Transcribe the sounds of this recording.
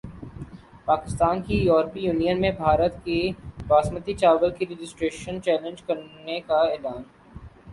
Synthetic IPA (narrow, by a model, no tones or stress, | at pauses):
paːkɪst̪aːnkijɔːɾpijuːnijənmẽbʱaːɾət̪kebaːsmət̪it͡ʃaːʋəlkiɾɪd͡ʒɪsʈɾeːʃənt͡ʃɛːlə̃nd͡ʒkɐɾnekaeːlaːn